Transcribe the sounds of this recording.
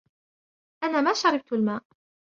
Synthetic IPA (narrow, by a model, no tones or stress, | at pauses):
ʔanaːmaːʃɑɾˤɪb̚t̪almaːʔ